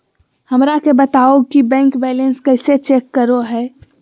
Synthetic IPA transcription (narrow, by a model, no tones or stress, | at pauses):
həmɾakebət̪aːokibɛ̃ːŋkbɛːlənskəɪset͡ʃeːkːəɾoɦɛː